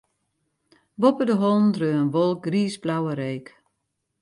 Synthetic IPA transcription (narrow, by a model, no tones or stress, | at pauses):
ʋɔpədəɦɔlˠn̩drøːənʋɔlˠk̚ɡriːsblawəɾeːk